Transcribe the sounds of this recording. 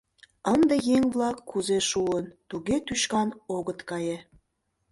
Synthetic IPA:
ənd̪ejeŋβlɑkːuzeʃuənt̪uɣet̪yʃkɑnoɣət̪kɑje

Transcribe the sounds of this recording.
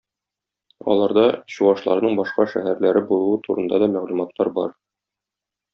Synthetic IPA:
ɒ̰lˠɑɾd̪ɑɕuɑʃlˠɑ̰ɾnɤɴbɒʃqɑʃæhæɾlæɾɘbulˠuwɤt̪ʰuɾɤ̆nd̪ɑd̪ɒmæʁlumɑt̪lːɑɾbɒɾ

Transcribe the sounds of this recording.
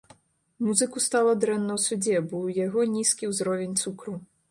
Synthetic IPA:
muzɨkust̪alˠɐd̪ɾɛnːɐwsud͡zʲɛbɔwjaɣɔnʲiskʲiwzɾɔvʲenʲt̪sukɾu

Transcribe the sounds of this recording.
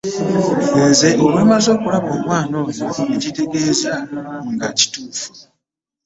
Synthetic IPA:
weːze̞ʔoβuimazo̞ːkulaβo̞ːmwaːno̞ːjoeɟite̞ɡe̞ːzaŋɡaci̥tuːfu̥

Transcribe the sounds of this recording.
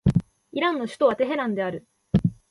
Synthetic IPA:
iɾãnːo̞ɕɨ̥t̪o̞βat̪e̞ɦe̞ɾãnd̪e̞aɾɯ̟

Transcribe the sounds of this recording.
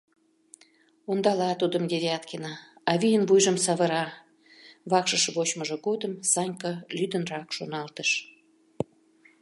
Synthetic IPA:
ond̪ɑlɑt̪ud̪əmd̪ʲeɾʲiɑt̪kenɑɑβʲijənβujʒəmsɑβəɾɑ | βɑkʃəʃβot͡ɕməʒə̆ɡod̪əmsɑnʲkɑlʲyd̪ənrɑkʃonɑlt̪əʃ

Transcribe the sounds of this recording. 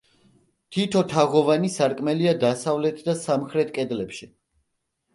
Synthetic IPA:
t̪ʰit̪ʰɔt̪ʰaʁɔvanisaɾkʼmɛliad̪asavlɛt̪ʰd̪asamχɾɛt̪̚ʰkʼɛd̪lɛpʃi

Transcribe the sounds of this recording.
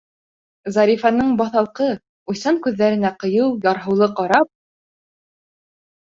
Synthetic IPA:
zɑɾifɑnɤɴbɑθɑlˠqɤ | ujsɑŋkʉðːæɾɘ̆næqɤ̆jɤwjɑɾɦɤ̆wlˠɤqɑɾɑp̚

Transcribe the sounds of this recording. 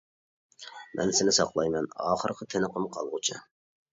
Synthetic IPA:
mʔɛ̰nsɪnɪsɑqlˠɑjmɛnɑ̰ːχəɾqʰət̪ʰenəqʰəmqʰɑlˠʁʊt͡ʃʰɑ

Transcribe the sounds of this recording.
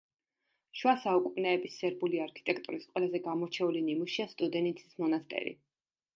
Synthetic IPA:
ʃwasaukʼumʼnɛːbisːɛɾbuliaɾkʰi̥t̪ʼɛkʼt̪ʼuɾisqʼwɛlazɛɡamɔɾt͡ʃʰɛulinimuʃiast̪ʼud̪ɛnit̪sʰi̥smɔnast̪ʼɛ̰ɾḭ

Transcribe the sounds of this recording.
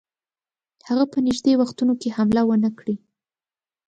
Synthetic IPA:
haɣapənɪʒd̪ewaxt̪unokehamlawənəkɽi

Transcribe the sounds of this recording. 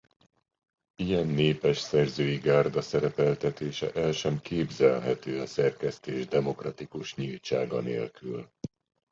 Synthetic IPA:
ijɛnːeːpɛʃsɛrzøːjiɡaːrd̪ɒsɛɾɛpɛlt̪ɛt̪eːʃɛ̰ʔɛlʃɛmkeːbzɛlɦɛt̪øːɒsɛrkɛst̪eːʒd̪ɛmo̞krɒt̪ikuʃɲilt͡ʃaːɡɒ̰nḛːlkyl

